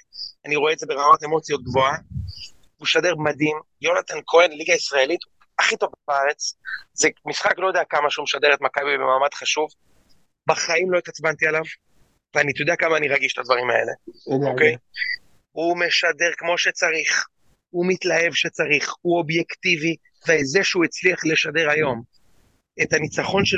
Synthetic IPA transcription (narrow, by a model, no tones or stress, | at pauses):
aniʁoeːdzebeʁamate̞mo̞t͡sjo̞t̪̚ɡvo̞a | uʃade̞ʁmadim | jo̞nat̪ankʰoenliɡaisʁaelit̪ | aχito̞vabaaʁet͡szemisχaklojd̪eakamaʃumeʃad̪eʁet̪makabibemaːmad̪χaʃuv | baχaimlo̞it̪at͡sbant̪ialav | veanit̪jod̪eakamaːniʁaɡiʃe̥t̪ad̪vaʁima̰e̞̰le̞̰okej | ume̞ʃade̞ʁkmo̞ʃet͡saʁiχ | humit̪lae̞vʃet͡saʁiχuo̞bjekt̪ivi | veːzeʃeuet͡sliaχleʃade̞ʁajo̞m | et̪hanit͡saχo̞nʃe